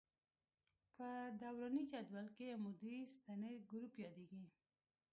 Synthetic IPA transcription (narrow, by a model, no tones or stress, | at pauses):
pəd̪awɾɑnid͡ʒad̪walkejamud̪ist̪aneɡɾupjɑd̪eɡi